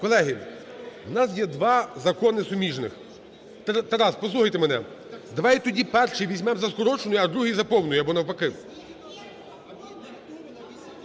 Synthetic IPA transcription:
kɔlˠɛɦi | wnɑs̬jɛd̪ʋɑzɐkɔnɪsʊmʲiʒnɪ̰x | t̪t̪ɛɾɑspɔslˠuxɐjt̪emenɛ | d̪ɐʋɑjɛt̪ɔdʲipɛrʃijʋʲizʲmɛmzɐskɔɾɔt͡ʃenʊjɐd̪ɾuɦijzɐpɔwnʊjʊɐbɔnɐwpɐkɪw

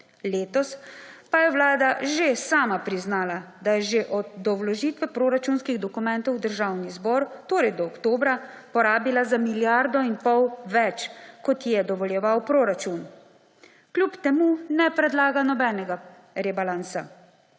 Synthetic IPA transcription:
leːt̪ɔspajɛwlaːd̪aʒesaːmapɾiznaːlad̪ajɛʒeʔɔd̪d̪ɔwlɔʒiːt̪ʋɛpɾoːɾat͡ʃunskiɣd̪ɔkumɛnt̪ɔwd̪əɾʒawnizbɔːɾt̪oːɾɛjd̪ɔːkt̪oːbɾa | pɔɾaːbilazamiljaɾd̪ɔinpɔwʋɛt͡ʃkɔt̪jɛd̪ɔʋɔljɛʋawpɾoːɾat͡ʃun | klupt̪ɛmunɛpɾɛd̪laːɡanɔbɛːnɛɡa | ɾɛbalansa

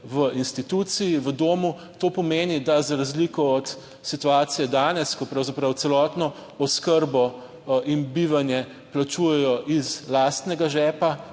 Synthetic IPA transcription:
ʋəʔinst̪it̪ut̪sijiʋəd̪oːmu | t̪oːpɔmeːnid̪azaɾazlikɔɔt̪ | sit̪uaːt̪sijɛd̪aːnɛskɔpɾawzapɾawt̪sɛlɔːt̪nɔ | ɔskəɾbɔ | inbiːʋanjɛ | plat͡ʃuːjɛjɔʔizlaːst̪nɛɡaʒɛːpa

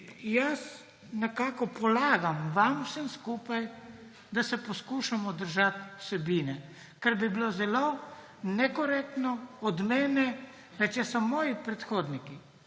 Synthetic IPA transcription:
jas | nɛkaːkɔpɔlaːɡamʋamsəmskuːpaj | d̪asɛpɔskuːʃamɔd̪əɾʒat̪w̥sɛbiːnɛ | kɛɾbibilozɛlo | nɛkɔɾɛk̚t̪nɔɔd̪mɛːnɛ | ʋɛt͡ʃjɛsɔmɔːjipɾɛt̪xoːd̪niki

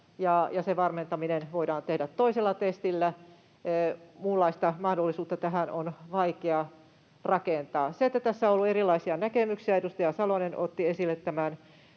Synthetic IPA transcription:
jɑjɑseʋɑrment̪ɑminenʋoidɑːnt̪ehdæt̪tːoiselːɑt̪est̪ilːæ | mulːɑist̪ɑmɑhdolːisuːt̪ːɑt̪æɦænonʋɑikeɑ | rɑkent̪ɑːset̪ːæt̪æsːæõolːuerilːˑɑisiɑnækemyksiɑedust̪ɑjɑsɑloneno̰t̪ːiesilːet̪tæmæn

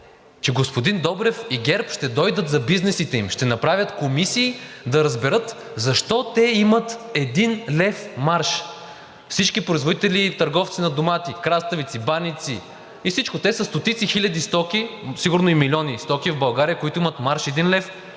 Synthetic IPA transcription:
t͡ʃɛɡospod̪ind̪ɔbɾɛfiɡɛɾpʃt̪ɛd̪ɔjd̪ət̪zɐbiznɛsit̪ɛimʃt̪ɛnɐpɾavjət̪komisiːd̪ɐɾɐzbɛɾɤt̪ | zɐʃt̪ɔt̪ɛimət̪ɛd̪inlɛfmaɾʃ | fsit͡ʃkipɾoizvod̪it̪ɛlit̪ɐɾɡɔft̪sinɐd̪omat̪ikɾast̪ɐvit̪sibanit̪si | ifsit͡ʃkot̪ɛsəst̪ot̪it̪sixilʲɐd̪ist̪ɔkisiɡʊɾnoimilʲɔnist̪ɔkivbɐlˠɡaɾijəkoit̪ʊimɐt̪maɾʃɛd̪inlɛf

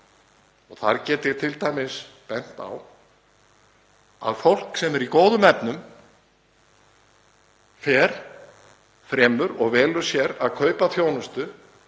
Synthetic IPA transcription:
ɔɣθaɾcɛːt̪ɪ̥t̪ʰɪlt̪ajmɪspɛn̥t̪a̰w | a̰ðfowl̥ksɛmɛɾikoːwðʏmɛpnʏm | fɛːɾ | fɾɛːmʏɾɔɣvɛːlʏɾ̥sjɛɾaðkʰœːɥpaθjoːwnʏst̪ʏ

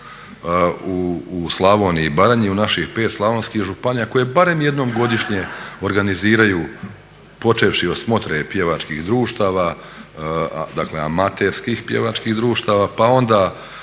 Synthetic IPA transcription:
uːslˠaʋoniibaɾaɲiunaʃixpe̞ːt̪slˠaʋo̞nskihʒupanijako̞je̞baɾe̞mje̞d̪no̞ːmɡo̞d̪iʃɲe̞o̞ɾɡaniziːɾajuː | po̞t͡ʃeːʋʃio̞smo̞t̪ɾepje̞ʋat͡ʃkixd̪ɾuːʃt̪aːʋa | d̪aklea̰mat̪eɾskixpje̞ʋat͡ʃkihd̪ɾuːʃt̪aːʋapao̞nd̪a

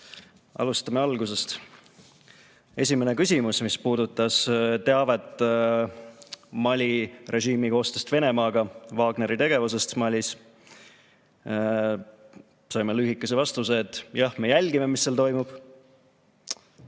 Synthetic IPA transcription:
ʔɑ̰lust̪ɑme̞ɑlɡuse̞st̪ | e̞sʲimene̞kysʲimusmispuːd̪ut̪ːˑɑst̪e̞ɑvet̪ːˑ | mɑlʲirʔe̞ʒiːmiko̞ːst̪est̪ve̞ne̞mɑːɡ̥ɑvɑːɡ̥ne̞ɾit̪e̞ɡ̥e̞vus̬e̞st̪mɑlʲːis | sɑjmelyːɦikːˑesevɑst̪use̞ːt̪ːˑjɑhme̞jælʲɡ̥ime̞misːelt̪o̞jmub̥

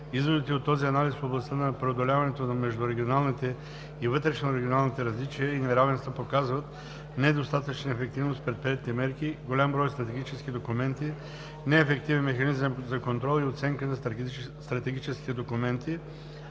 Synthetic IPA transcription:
izvod̪it̪iot̪ːɔziɐnalisfoblˠɐst̪ənɐpɾɛod̪olʲavɐnɛt̪onɐmɛʒd̪ʊɾɛɡʲionalˠnit̪ɛ | ivɤt̪ɾɛʃnoɾɛɡʲionalˠnit̪ɛɾɐzlit͡ʃijəinɛɾavɛnst̪vəpokazvət̪ | nɛd̪ost̪at̪ət͡ʃnəɛfɛk̚t̪ivnost̪pɾɛt̪̚pɾiɛt̪ʲt̪imɛɾkiɡolʲambɾɔjst̪ɾɐt̪ɛɡʲit͡ʃɛsk̟id̪okumɛnt̪i | nɛːfɛkt̪ivɛnmɛxɐnizəmzɐkont̪ɾɔlˠiot̪sɛŋkənɐst̪ɾɐt̪ɛɡʲit͡ʃɛskʲi̥t̪ɛd̪okumɛnt̪i

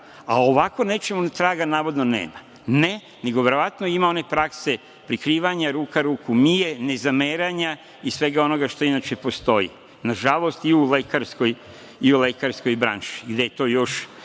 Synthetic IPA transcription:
aoʋako̞ne̞t͡ʃe̞munet̪ɾaːɡanaːʋo̞d̪no̞nḛːma | ne̞ | ne̞ɡo̞ʋe̞ɾo̞ʋat̪noimao̞ne̞pɾakse̞ | pɾikɾiːʋaɲaɾuːkaɾuːkumijene̞zameɾaɲa | isʋe̞ɡao̞no̞ɡaʃt̪o̞inat͡ʃe̞po̞st̪o̞jḭ | naʒalˠo̞st̪iulekaɾsko̞j | iule̞kaɾsko̞jbɾa̰nʃi̥ɡd̪e̞jet̪o̞ːjo̞ʃ

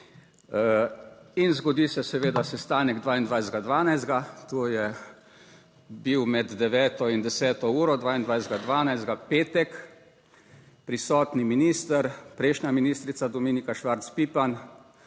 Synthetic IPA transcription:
inzɡɔd̪isɛsɛʋeːd̪asɛst̪aːnɛɡd̪ʋaːind̪ʋajzd̪ɡad̪ʋaːnajzd̪̚ɡat̪oːjɛ | biwmɛd̪d̪ɛʋɛːt̪ɔind̪ɛsɛːt̪ɔuːɾɔd̪ʋaːind̪ʋajzd̪̚ɡad̪ʋaːnajzd̪ɡapeːt̪ɛk | pɾisɔːt̪niminiːst̪əɾpɾɛjʃnʲaminiːst̪ɾit̪sad̪ɔmiːnikaʃʋaɾt̪spiːpan

